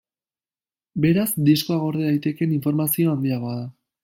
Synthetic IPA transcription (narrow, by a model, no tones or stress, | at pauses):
be̞ɾazd̪isko̞aɣ̞o̞ɾðeðajt̪e̞ke̞niɱfo̞ɾmasio̞and̪iaɣo̞aða